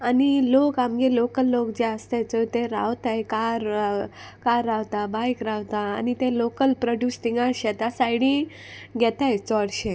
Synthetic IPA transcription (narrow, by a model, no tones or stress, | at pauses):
anilokamɡelokəlːokd͡ʑeəst̪ajt͡sət̪eɾa̰ʋt̪ajkaɾ | kaɾːaʋt̪abajkɾawt̪a̰ːnit̪elokəlpɾəɖjusʈiŋɡaɾɕɛt̪asaiɽĩ | ɡʱɛt̪ajt͡sɔɽɕe